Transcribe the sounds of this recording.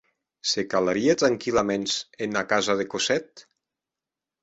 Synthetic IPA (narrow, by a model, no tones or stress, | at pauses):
sekalaɾiat̪ɾaŋkilamensenakazaðekosɛt̪